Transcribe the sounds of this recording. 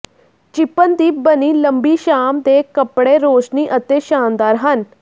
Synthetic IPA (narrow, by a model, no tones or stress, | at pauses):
t͡ʃɪpənd̪iːbəniːləmbiːʃaːmd̪eːkəpɽeːɾoːʃniːʔət̪eːʃaːnd̪aːɾɦən